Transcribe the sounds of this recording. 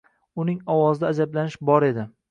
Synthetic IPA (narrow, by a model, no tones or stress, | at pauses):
ʊnɪŋɒwɒzɪd̪aːd͡ʒablanɪʃbɒɾe̞d̪ɪ